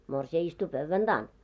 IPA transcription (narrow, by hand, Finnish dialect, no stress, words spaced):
morsiɑ istu pøʋːæn d̥ɑːn